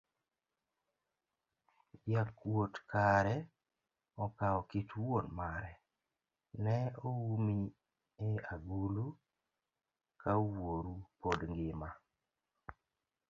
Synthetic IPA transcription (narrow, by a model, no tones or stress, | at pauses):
bjakwotkaɾɛ | ɔkaɔkitwonmaɾɛ | nɛowumi | eaɡulu | kʰawoɾupodŋɡɪma